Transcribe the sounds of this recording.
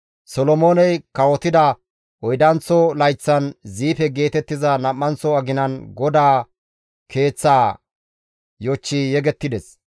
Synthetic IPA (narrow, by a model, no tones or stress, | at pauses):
sɔlɔmoːnɛjkɐwɔt̪ɪd̪ɐ | ʔɔjd̪ɐnt͡sːɔlɐjt͡sːɐnziːpɛɡe̞ːt̪ɛt̪ːɪzɐnɐmːɐnt͡sɔɐɡɪnɐnɡɔd̪aː | kʰe̞ːt͡sːaː | jɔt͡ʃːijɛɡɛt̪ːɪd̪ɛs